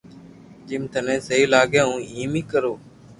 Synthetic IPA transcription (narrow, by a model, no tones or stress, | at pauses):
d͡ʒɪmt̪ənẽːsəɦiːlaːɡẽːɦũːĩːmiːkəɾoː